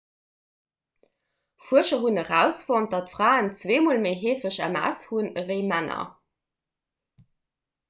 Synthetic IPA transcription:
fuəʃɐɦunəʁæʊsfont̚d̥ɑtfʁaːənt͡sveːmoːlmeɪɦeːfəɕæ̰mæ̰shunəveɪmænɐ̰

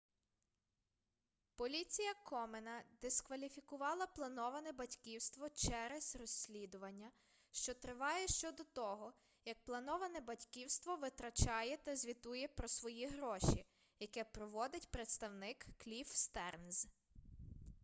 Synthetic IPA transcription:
pɔlʲit͡sʲijɐkʰɔmenɐd̪ɪskʋɐlʲifʲikʊʋɑlˠɐplˠɐnɔʋɐnɛbɐtʲkʲiwst̪ʋɔt͡ʃɛɾɛzrɔsʲlʲid̪ʊʋɐnʲːɐ | ʃt͡ʃɔt̪ɾɪʋɑjɛʃt͡ʃɔd̪ɔt̪ɔɦɔ | jɐk̚plˠɐnɔʋɐnɛbɐtʲkʲiwst̪ʋɔʋɪt̪ɾɐt͡ʃɑjɛt̪ɐzʲʋʲit̪ujɛpɾɔsʋɔjiɦɾɔʃi | jɐkɛpɾɔʋɔd̪ɪtʲpɾet̪st̪ɐwnɪkːlʲifst̪ɛrnz

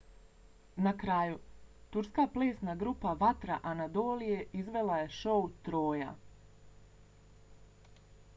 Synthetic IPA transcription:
nakɾaːjut̪uɾskaːpleːsnaɡɾupaʋat̪ɾaʔanad̪oːlije̞ʔizʋe̞lˠaje̞ʃo̞ut̪ɾo̞ːja̰

